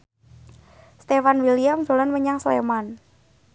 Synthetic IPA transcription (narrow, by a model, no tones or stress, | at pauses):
st̪efanwilijamzolanməɲaŋslḛman